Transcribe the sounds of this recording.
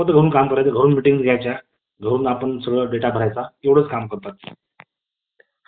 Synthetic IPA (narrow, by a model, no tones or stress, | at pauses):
ətd̪ʱəɡəɾuːnkamkəɾajt̪əɡʱəɾuːnmiʈiŋɡsɡʱjajt͡ɕja | ɡʱəɾuːnapəɳsəɡɭəɖeʈabʱəɾajt͡saewɽ̤əːt͡skamkəɾt̪at̪̚